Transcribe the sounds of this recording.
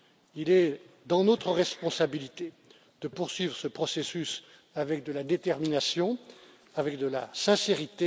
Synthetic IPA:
ilɛ | d̪ɑ̃not̪χəʁɛspɔ̃sabilit̪e | d̪̥əpuʁsɥivʁəsəpχɔsesys | avɛk̚d̪əlad̪et̪ɛʁminasjɔ̃ | avɛkd̪əla̰sɛ̃seʁit̪e

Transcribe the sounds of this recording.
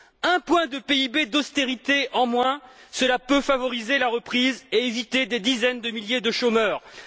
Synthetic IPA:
ɛ̃pwɛ̃d̪əpeibed̪ɔst̪eʁit̪eʔɑ̃mwɛ̃səlapøfavɔʁizelaʁəpχizeevit̪ed̪ed̪izɛnd̪əmiljed̪əʃomœːʁ

